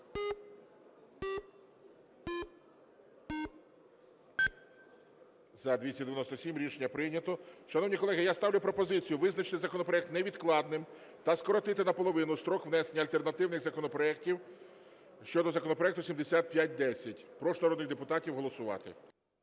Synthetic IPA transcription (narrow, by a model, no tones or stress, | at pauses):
zɐd̪ʲʋʲisʲɐd̪eʋjɐnɔst̪ɔsʲimɾʲiʃenʲːɐpɾɪnʲɐt̪ɔʃɐnɔwnʲikɔlˠɛɦɪjast̪ɑwlʲʊpɾɔpɔzɪt͡sʲijʊʋɪznɐt͡ʃɪ̥t̪ɪzɐkɔnɔpɾɔɛk̚t̪nɛʋʲid̪klˠɑd̪nɪm | t̪ɐskɔɾɔt̪ɪt̪ɪnɐpɔlˠɔʋɪnʊst̪ɾɔkʋnɛsenʲːɐlʲt̪e̞rnɐt̪ɪwnɪxzɐkɔnɔpɾɔɛk̚tʲiw | ʃt͡ʃɔd̪ɔzɐkɔnɔpɾɔɛkt̪ʊsʲimd̪esʲat̪̚pʲjat̚ʲd̪ɛsʲɐtʲpɾɔʃnɐɾɔd̪nɪxd̪epʊt̪ɑtʲiwɦɔlˠɔsʊʋɑ̰t̪ɪ̰